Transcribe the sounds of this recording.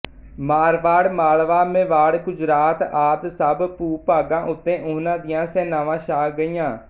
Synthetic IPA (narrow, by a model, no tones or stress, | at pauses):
maːɾʋaːɽmaːlʋaːmẽːʋaːɽɡʊd͡ʒɾaːt̪aːd̪səbpuːpaːɡãːʔʊt̪ːẽːʔʊnãːd̪ɪjãːsɛːnaːʋãːʃaːɡəiːãː